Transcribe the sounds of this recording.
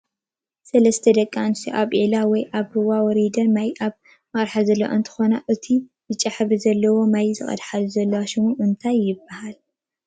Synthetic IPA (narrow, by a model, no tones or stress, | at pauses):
sɐlɐst̪ʰɐd̪ɐkʼːansiʔaβʔilawɔjʔaβhɨwawɔɾid̪ɐɾmajʔaβ | mɐɾħazɐlːowaɨ̰nt̪ʰɨ̥xonaʔɨt̪ʰijɨt͡ʃʼaħβizɐlːɐwo̞majzɨχʼɐ̰d̪ħaluzɐlːɐwaʃɪmuʔɨnt̪ʰajːɪbːahal